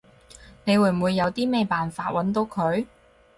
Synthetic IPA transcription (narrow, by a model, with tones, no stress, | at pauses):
ne˨˧jwuː˨˩m̩˨wuː˨˧jːɐ˨˧wt̪iː˥mɛː˥˩jpaː˨nfaː˧t̚wɐ˨˥nt̪̬o˨˧wkʰɵ˨˧ɥ